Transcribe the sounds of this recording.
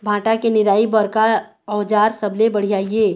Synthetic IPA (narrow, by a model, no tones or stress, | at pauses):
bʱãːʈakenɪɾaːibəɾka | ɔːd͡ʒaːɾsəblebəɽ̤ijaːieː